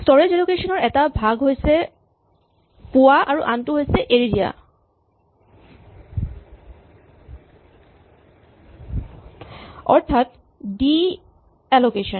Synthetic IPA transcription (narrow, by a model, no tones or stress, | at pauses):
stɔɹed͡ʒɛlokeʃɔnɔɹɛtabʱaɡɦojsʰe | puaʔaɹuʔantuɦojseʔeɹiɾia̰ | ɔ̰ɹt̪ʰat | ɖi | ɛlokeʃɔn